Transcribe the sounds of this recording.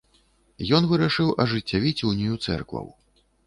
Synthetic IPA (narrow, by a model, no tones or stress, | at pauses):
jɔnvɨɾaʂɨwʔɐʐɨt͡sʲːavʲit͡sʲuwnʲijut̪sɛ̰rkvɐ̰w